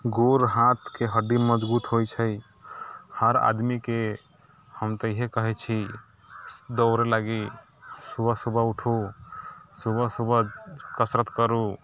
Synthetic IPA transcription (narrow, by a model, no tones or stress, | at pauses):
ɡoɾɦat̪ʰkeɦəɖiməd͡ʒbut̪ɦojt͡ʃʰəj | həɾa̰d̪mike | həmt̪əiɦekəɦɛt͡ʃʰi | d̪ɔʊɾelaɡi | subʱəsubʱəuʈʰu | subʱəsubʱəd͡ʒkəsɾət̪kəɾu